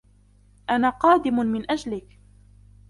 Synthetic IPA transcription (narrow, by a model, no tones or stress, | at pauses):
ʔanaːqɑːd̪ɪmʊmɪnʔad͡ʒlɪk